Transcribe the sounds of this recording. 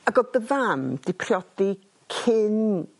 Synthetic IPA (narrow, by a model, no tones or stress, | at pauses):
aɡɔbəvamd̥ɪpʰrjɔd̥i | kʰɪn